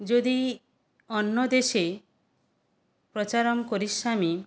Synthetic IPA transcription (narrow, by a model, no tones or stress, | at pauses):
d͡ʒod̪i | ɔnːɔd̪eʃe | pɾɔt͡ʃaɾɔmkoɾiʃami